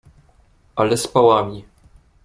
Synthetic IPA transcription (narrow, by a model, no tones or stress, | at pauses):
alɛspawamʲi